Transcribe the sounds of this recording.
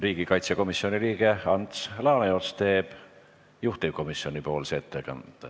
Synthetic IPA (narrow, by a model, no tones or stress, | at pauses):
riːɡ̥ikɑjt̪seko̞misːio̞niliːɡ̥eɑnt̪slɑːneo̞t̪st̪e̞ːb̥ | juht̪iko̞misionʲipo̞ːlseːt̪ʰːekɑ̰nd̪̥ɑ